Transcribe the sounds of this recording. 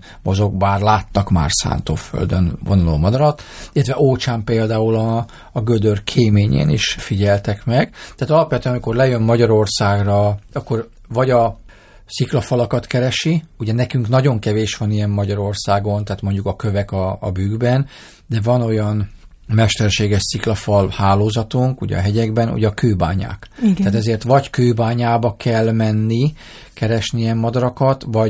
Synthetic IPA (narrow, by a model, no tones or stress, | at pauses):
mozo̞ɡbaːrlaːt̪ːɒkma̰ːrsa̰ːnt̪o̰ːfø̰ld̪ø̰nvo̰nulo̰ːmɒd̪ɒɾɒt̪ilːɛt̪ʋɛʔoːt͡ʃaːmpeːld̪aːulɒː | ɡød̪ørkʰeːmeːɲḛːnḭʃfiɟɛlt̪ɛkmɛɡ̥t̪aːt̪ɒlɒpʋɛt̪yɛnɒmiko̞rlɛjømːɒɟɒɾo̞rsaːɡrɒɒkːo̞r | vɒɟɒ | siklɒfɒlɒkɒt̪kɛɾɛʃiuɟɛnɛkyŋknɒɟo̞ŋkɛveːʃʋɒnijɛmːɒɟɒɾo̞rsaːɡo̞nt̪aːt̪mo̞ɲɟukɒkø̞vɛkɒ̰ːbyːɡbɛn | d̪ɛvɒno̞jɒn | mɛʃt̪ɛrʃeːɡɛʃsiklɒfɒlhaːloːzɒt̪uŋkṵɟɛ̰ɦɛɟɛɡbɛnṵɟɛɒkøːba̰ːɲa̰ːkt̪aːt̪ɛzeːrt̪ʋɒɟkøːbaːɲaːbɒkɛlmɛnːi | kɛɾɛʃniɛmːɒd̪ɒɾɒkɒt̪vɒ